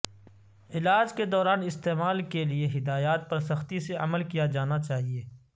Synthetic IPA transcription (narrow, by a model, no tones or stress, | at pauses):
ɪlaːd͡ʒked̪ɔːɾaːnɪst̪eːmaːlkelieɦɪd̪aːjaːt̪̚pɐɾsɐxt̪iseʔɐ̰məlkijad͡ʒaːnat͡ʃaːɦieː